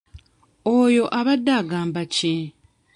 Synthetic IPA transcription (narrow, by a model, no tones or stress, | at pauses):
ojo̞ʔaβadːaɡaːmbace